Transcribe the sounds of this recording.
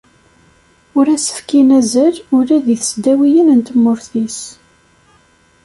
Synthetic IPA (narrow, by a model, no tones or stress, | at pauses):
ʊɾæsə̥fkinæzəlʊɾæðiθəsd̪æwijənənt̪əmːʊɾθis